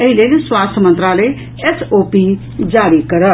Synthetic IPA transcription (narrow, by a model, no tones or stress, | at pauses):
ɐɦileneswaːst̪ʰjmɐ̃nt̪ɾaːləi | esoːpi | d͡ʑaːɾikɐɾə